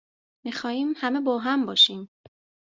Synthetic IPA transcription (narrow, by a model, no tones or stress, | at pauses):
mixɒːhiːmhæme̞bɒːɦæmbɒːʃiːm